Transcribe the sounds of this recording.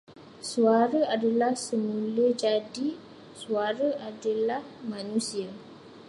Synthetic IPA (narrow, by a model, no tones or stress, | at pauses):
suaɾaadalahsəmũləd͡ʒadi | suaɾaʔadalahmãnũsia